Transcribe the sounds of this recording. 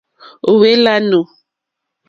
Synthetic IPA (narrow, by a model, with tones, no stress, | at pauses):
o˨we˦la˦no˨